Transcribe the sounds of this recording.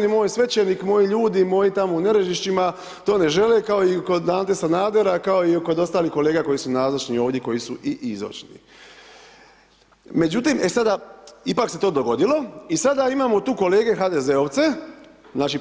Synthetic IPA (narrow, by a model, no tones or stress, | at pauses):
nimo̞ːjsʋe̞t͡ɕeniːkmo̞jiʎuːd̪imo̞jit̪amoune̞ɾe̞ʒiʃt͡ʃima | t̪o̞ːne̞ʒe̞lekao̞ikod̪aːnt̪esanaːd̪eɾakao̞iko̞d̪o̞st̪aːlihko̞le̞ːɡako̞jisunaːzot͡ʃnio̞ːʋdje̞ko̞jisuʔiʔizo̰t͡ʃnḭ | me̞d͡ʒut̪ime̞sad̪aipakse̞t̪o̞ːd̪o̞ɡo̞d̪ilo̞isad̪aimaːmot̪uːko̞le̞ːɡe̞xaːd̪e̞ze̞o̞ʋt̪se̞znaːt͡ʃi